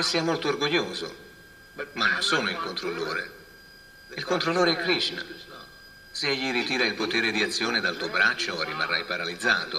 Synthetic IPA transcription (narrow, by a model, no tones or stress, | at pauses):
sːiːamolt̪oːrɡoʎːoːzo̰ | manːonsoːnoilkont̪ɾolːoːɾḛ | ilkont̪ɾolːoːɾeɛkːɾiʃna̰ | seeʎːiɾit̪iːɾailpot̪eːɾed̪iat̪sːjoːned̪alt̪uobɾat͡ʃːorima̰rːa̰jpaɾalid̪zːaːt̪o